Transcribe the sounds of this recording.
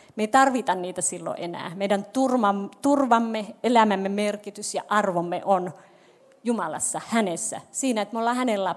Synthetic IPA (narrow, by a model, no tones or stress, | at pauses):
meit̪ɑrʋit̪ɑnniːt̪æsilːo̰ʔenæ̰ːmeidænt̪urmɑmt̪urʋɑmːeelæmæmːemerkit̪ysjɑʔɑrʋomːḛʔon | jumɑlɑ̰sːɑhænesːæ̰siːnæet̪meolːɑːhænelːɑ